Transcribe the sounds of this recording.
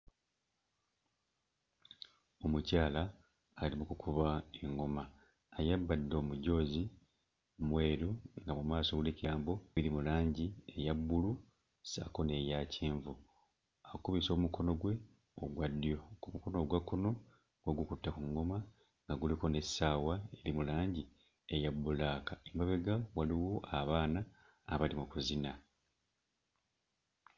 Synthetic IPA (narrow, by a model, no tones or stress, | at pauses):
o̞mucaːlaː | limukukʰuβaeŋɡo̞maː | jabːadːo̞ːmuɟo̞ːzi | mwe̞ːɾoŋɡamumaːso̞ɡuliciaːmbo̞βiɾimulaːɲɟie̞jabːulu | sa̰ko̞ne̞jaːcʰiːɱvu | akuβiso̞ːmuko̞no̞ɡwe̞ | oɡwadːijo̞kumuko̞no̞ɡwakːono̞ | ɡweɡukutːakuŋɡo̞ma | ŋɡaɡuliko̞ne̞sːaːwae̞limulaːɲɟi | e̞jabːulaːkaembaβe̞ɡawaliwoʔaβaːna̰ː | βalimukuzina